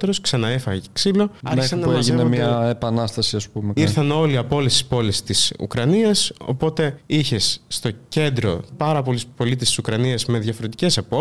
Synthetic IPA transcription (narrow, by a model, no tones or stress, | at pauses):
eɾo̞sksɐnɐefɐɣɐceksilo̞ɐmesɐnɐeʝienemɲɐepɐnɐst̪ɐsiɐspumeiɾθɐno̞liɐpo̞lest̪i̥spo̞lest̪isṵkɾɐniɐso̞̰po̞t̪e̞içe̞sːt̪o̞ce̞nd̪ɾo̞̰pɐɾɐpo̞lispo̞lit̪est̪i̥sukɾɐniɐzme̞ðʝɐfo̞ɾet̪ice̞sɐpo